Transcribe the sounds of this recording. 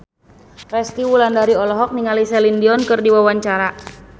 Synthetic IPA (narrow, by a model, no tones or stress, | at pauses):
rɛst̪iwulandaɾiɔlɔɦɔk̚niŋalisɛlindiɔnkɨrdiwawaɲt͡ʃaɾa